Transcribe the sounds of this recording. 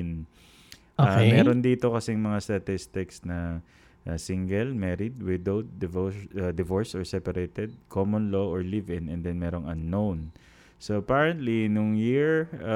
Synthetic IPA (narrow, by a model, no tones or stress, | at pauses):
n | ʔoammɛːɾo̞nd̪iːt̪o̞kɐsɛŋmɐŋast̪ɐt̪ɪst̪ɪksnɐ | ʔasiŋɡɛlmɛːɾɪd̪̚wɪd̪owd̪̚ːɛvod̪ɪvoɹsɔɹsɛpɐɾet̪ɛd̪̚kʰomonloʔɔɹlivɪ̃nɛ̃nd̪ɛnmɛːɾo̞ŋʔɐnːown | soɐpaːɹɛnt̪linʊŋjiɹ